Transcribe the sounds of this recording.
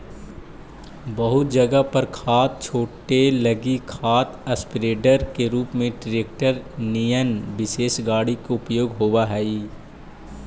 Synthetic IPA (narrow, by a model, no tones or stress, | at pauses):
bɐɦʊt̪̚d͡ʒɐɡəpɐɾkʰaːt̪̚t͡ʃʰoːʈelɐɡikʰaːt̪ʰɐspɪɾeːɖəɾkeɾuːpmẽʈɪɾeːk̚ʈəɾnijənbɪseːʃɡaːɽikoʊpjoːɡɦoʋaɦɛːi